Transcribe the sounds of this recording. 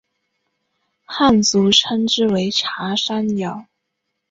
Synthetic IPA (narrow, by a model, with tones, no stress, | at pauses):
xa˥˩nt͡su˧˥ʈ͡ʂʰə˥nʈ͡ʂɻ̩˥˩we˧˥ɪʈ͡ʂʰa˧˥ʂa˥njɑ˨˩˦ʊ